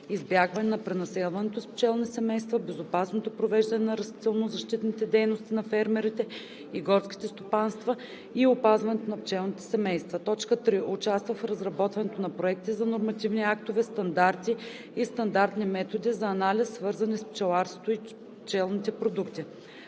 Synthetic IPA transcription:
izbʲjaɡvɐnɛnɐpɾɛnɐsɛlˠvɐnɛt̪ospt͡ʃɛlˠnisɛmɛjst̪vɐbɛzopasnot̪opɾovɛʒd̪ɐnɛnɐɾɐst̪it̪ɛlˠnozɐʃt̪it̪nit̪ɛd̪ɛjnost̪inɐfɛɾmɛɾit̪ɛ | iɡɔɾt̪skʲi̥t̪ɛst̪opanst̪vɐ | iopazvɐnɛt̪onɐpt͡ʃɛlˠnit̪ɛ̥sɛmɛjst̪vɐt̪ɔt͡ʃkət̪ɾiʔʊt͡ʃast̪vəfɾɐzɾɐbɔt̪vɐnɛt̪onɐpɾoɛk̚t̪izɐnoɾmɐt̪ivniakt̪ovɛst̪ɐnd̪aɾt̪i | ist̪ɐnd̪aɾt̪nimɛt̪od̪izɐːnalʲisːvɤɾzɐnisp̚t͡ʃɛlˠaɾso̥t̪oi | pt͡ʃɛlˠnit̪ɛpɾod̪ukt̪i

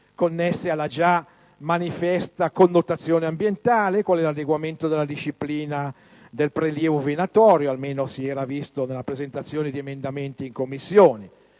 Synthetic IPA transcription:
konːɛsːealːad͡ʒa | manifɛst̪akonːot̪at̪sːjoːneambjent̪aːlekwalɛlad̪eɡwament̪od̪elːad̪iʃːipliːna | d̪elpɾeljɛːvovenat̪ɔːɾjoalmeːnosiɛːɾavist̪onelːapɾezent̪at̪sːjoːned̪iemend̪ament̪iːŋkomːisːjoːne

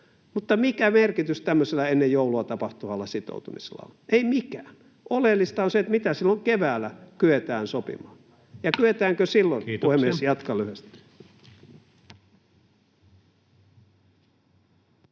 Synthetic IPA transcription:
mut̪ːɑmikæmerkit̪yst̪æmːøselːˑɑenːejjouluɑt̪ɑpɑht̪umɑlːɑsit̪o̰ut̪umise̥̰lːɑ̰o̰leimikæːn | ʔolelːist̪ɑonset̪mit̪æsilːoŋkeʋæːlːækyet̪æːnsopḭmɑːn | jɑkyet̪æːŋkøsilːonpuhemmːiesjɑt̪kɑlyhest̪i̥

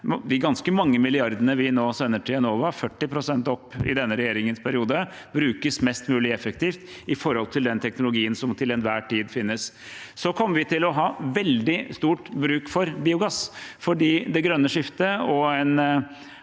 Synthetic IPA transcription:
d̪ɪɡɑnskəmɑŋːəmɪlɪɑɾd̪ənəʋɪnoːsɛnːəʈʰɪɛnoːʋɑfœʈːɪpʰɾʊsɛnt̪ɔpːɪ̰d̪ɛnːəɾɛjeːɾɪŋənspʰæɾɪuːd̪ə | bɾʉːkəsmɛst̪mʉːlɪɛfək̚t̪ʰiːft̪ɪfɔɾhɔlt̪ʰɪld̪ɛnt̪ʰɛknʊlʊɡiːənsɔmt̪ʰɪlɛnʋæːʈiːd̪fɪnːəs | sɔkʰɔmːəʋɪt̪ʰɪlɔɦɑːʋɛld̪ɪst̪uːʈbɾʉːkfɔɾbiːʊɡɑsfɔɖiːd̪ɛɡɾœnːəʂɪft̪əɔɛn

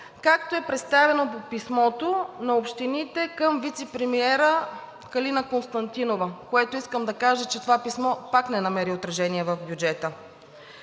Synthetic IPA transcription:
kakt̪oɛpɾɛt̪st̪avɛnopopismɔt̪onɐopʃt̪init̪ɛkəmvit̪sɛpɾɛmiɛɾə | kɐlinəkonst̪ɐnt̪inovəkoɛt̪oiskəmd̪ɐkaʒət͡ʃɛt̪ovapismɔpaknɛnɐmɛɾiot̪ɾɐʒɛniɛvɐfbʲjud͡ʒɛt̪ə

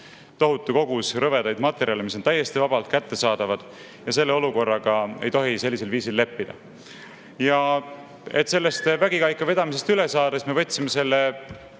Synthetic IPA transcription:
t̪o̞ɦut̪ˑːuko̞ɡ̥usɾɤve̞d̪ɑjd̪̥mɑt̪ːˑe̞ɾʔiɑlimis̬ont̪æjːe̞st̪ivɑb̥ɑlt̪̚kæt̪ːe̞sɑːd̪̥ɑvɑd̪̥ | jɑse̞lːeo̞luko̞rːɑɡ̥ɑe̞jt̪o̞ɦise̞lːise̞lviːsilːe̞pːid̪̥ɑ̰ | jɑ | e̞̰t̪se̞lːest̪væɡikɑjkːɑve̞d̪̥ɑmis̬e̞st̪ylesɑːd̪̥esme̞vɤ̞t̪ʲːsimese̞lːe

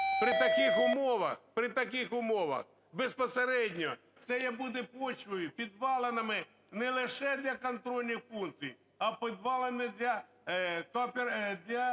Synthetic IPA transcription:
pɾɪt̪ɐkɪxʊmɔʋɐ̰xpɾɪt̪ɐk̬ɪxʊmɔʋɐ̰x | bespɔseɾɛdʲnʲɔ | sɛjɛbud̪ɛpɔt͡ʃʋɔjipʲid̪ʋɑlˠenɐmɪ | nɛlˠɪʃɛd̪ʲlʲɐkɐnt̪ɾɔlʲnʲixfunk̪sʲiji | ɐpɪd̪ʋɑlˠenɪd̪ʲlʲɐ | kɔpʲd̪lʲɐ

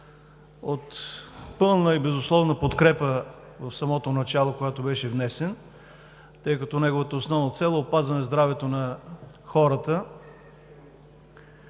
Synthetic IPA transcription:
ot̪pɤlˠnəibɛzʊslˠɔvnəpot̪kɾɛpə | vɐfsɐmɔt̪onɐt͡ʃalˠokojat̪obɛʃɛvnɛsɛn | t̪ɤjkɐt̪ɔnɛɡovət̪əosnɔvnət̪sɛlˠəopazvɐnɛzd̪ɾavɛt̪onɐ | xɔɾət̪ə

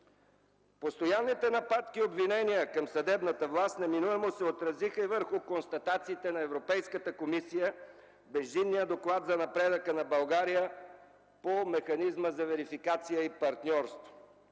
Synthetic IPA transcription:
post̪ojanːit̪ɛnɐpat̪kiobvinɛnijəkɐmsɐd̪ɛbnət̪əvlˠast̪nɛminuɛmosɛot̪ɾɐzixəivəɾxʊkonst̪ɐt̪at̪siːt̪ɛnɐɛvɾopɛjskət̪əkomisijə | bɛʒinːijəd̪oklˠat̪zɐnɐpɾɛd̪əkənɐbɐlˠɡaɾijə | pomɛxɐnizməzɐvɛɾifikat̪sijəipɐɾt̪nʲɔɾst̪vo

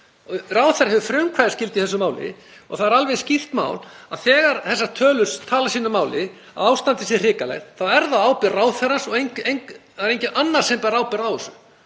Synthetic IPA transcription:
raːwθɛɾɦɛvʏfɾœmkʰvajðɪ̥scɪlt̪iθɛs̬ʏmaːwlɪ̰ | ɔ̰ɣθaðɛɾalvɛscir̥t̪ma̰ːwlaðθɛːɣaɾθɛsːaɾt̪ʰœːlʏst̪ʰaːlasiːnʏmaːwlɪ | a̰waːwst̪ant̪ɪsɛrɪːkalɛ̰ɣθawɛɾðawaːwpɪɾraːwθɛɾansɔɣejɲejŋ | ɾejɲcɪnʔanːaɾ̥sɛmpɛːɾawpɪɾawɔsʏ

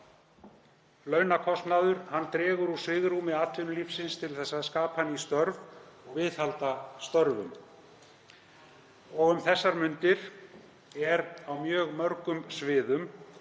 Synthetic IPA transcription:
lœːɥnakʰɔst̪naðʏɾ̥hanːt̪ɾɛːɣʏɾusvɪːɣrumɪat̪lɪnʏlifsɪnst̪ʰɪlθɛsːaðskaːphanːist̪œɾvɔɣvɪːðhalt̪ast̪œɾvʏ̰m | ɔɣʏmθɛsːaɾmʏnt̪ɪɾ̥ | ɛɾawmjœːɣmœɾkʏmsvɪːðʏm

